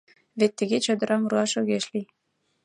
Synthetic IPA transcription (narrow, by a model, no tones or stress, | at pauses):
βet̪ːəɣet͡ɕɤ̆d̪ə̆ɾɑmuɾuɑʃŏɣeʃli